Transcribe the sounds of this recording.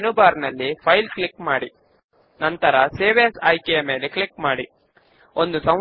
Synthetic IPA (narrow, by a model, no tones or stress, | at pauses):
nubaːɾnɐlːipʰɐjlklikmaːɽi | nɐnt̪ɐɾɐseːʋejɐsajkɛjɐme̞ːlekɭikmaːɽi | o̞nd̪usɐ̃